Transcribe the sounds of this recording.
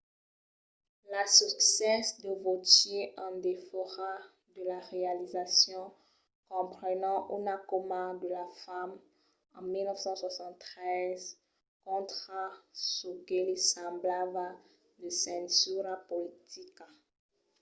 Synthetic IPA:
lasyksɛsd̪əvot̪jeʔɑ̃d̪efɔʁa | d̪əlaʁealizasjɔ̃ | kɔ̃pχənɑ̃ʔunakomad̪əlafam | ɑ̃milnɔfsɑ̃swasɑ̃t̪t̪ːχɛz | kɔ̃t̪χasoɡelesɑ̃blabə | d̪əsɛ̃tyɾapolit̪ʰika

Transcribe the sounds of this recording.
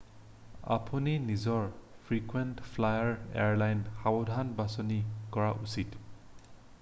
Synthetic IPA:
a̰pʰuninizɔɹpʰɹikwentpʰlajaɹḛɹlajnxabɔdʱanbasɔnikɔɹaʔusit

